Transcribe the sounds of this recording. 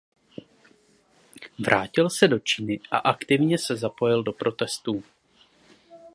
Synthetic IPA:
vɾʔaːcɪlsɛdo̞t͡ʃinɪʔa̰ʔakt̪ɪvɲɛsɛzapo̞jɪldo̞pɾo̞t̪ɛst̪uː

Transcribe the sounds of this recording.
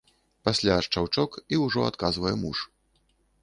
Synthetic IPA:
pasʲlʲaːʂt͡ʂawt͡ʂɔkiwʐɔa̰t̪kazvɐjɛmuʂ

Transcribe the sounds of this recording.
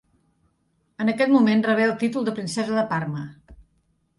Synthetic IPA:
ənəkɛt̪mumenrəβ̞eəlˠt̪it̪ulˠd̪əpɾinsɛzəðəparmə

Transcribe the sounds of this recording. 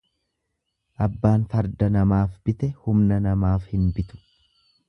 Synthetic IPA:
ʔɐbːaːnfɐɾd̪ɐnɐmaːfb̥ɪt̪ɛhʊmnɐnɐmaːfhɪnbɪt̪ʊ̥

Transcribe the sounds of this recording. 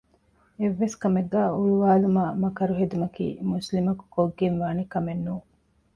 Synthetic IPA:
eʋːeskɐmeɡːæːuɭuʋaːlumaːmɐkɐɾuɦed̪umɐkḭːmuslimɐku̥koɡːenʋaːnikɐmenːuː

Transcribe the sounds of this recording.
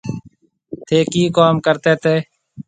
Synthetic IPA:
t̪ʰeːkiːkaːmkəɾt̪eːt̪eː

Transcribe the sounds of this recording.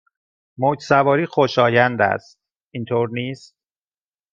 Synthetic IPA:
moːcsævɒːɾiːxo̞ʃɒːjænd̪æ̰st̪̚ | int̪ʰoːɾniːst̪̚

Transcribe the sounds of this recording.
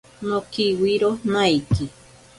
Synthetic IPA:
nokiwiɾonãiki

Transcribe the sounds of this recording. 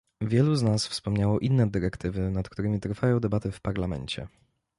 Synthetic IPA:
vʲjɛluznasfspɔmɲawɔʔinːɛd̪ɘɾɛkt̪ɘvɘnat̪kt̪uɾɘmʲit̪ɾfajɔ̃w̃d̪ɛbat̪ɛfpaɾlamɛ̰ɲt͡ɕɛ̰

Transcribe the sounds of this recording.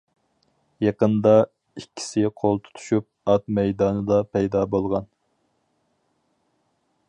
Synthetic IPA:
jɑqənd̪ɑ | ikʲʰːi̥sɪqʰolˠt̪ʰu̥t̪ʰu̥ʃup̚ɑt̪mɛjd̪ɑːnɨd̪ɑpʰɛjd̪ɑbolˠʁɑn

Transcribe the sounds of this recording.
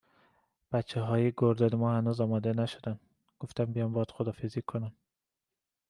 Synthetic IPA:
b̥æt̪t͡ʃʰːeɦɒːjeɡoɾd̪ɒːnemɒːhænuːzɒːmɒːd̪enæʃod̪æn | ɡ̥oft̪ænbijɒːmbɒːd̪̥xod̪ɒːfezikʰːonæm

